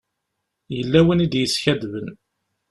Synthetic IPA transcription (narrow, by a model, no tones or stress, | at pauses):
jəlːæwənid̪jəsçæd̪vən